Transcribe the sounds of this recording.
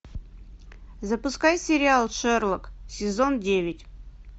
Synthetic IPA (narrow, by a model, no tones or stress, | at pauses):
zəpʊskajsʲɪɾʲɪalˠʂɛrlˠəksʲɪzondʲevʲɪtʲ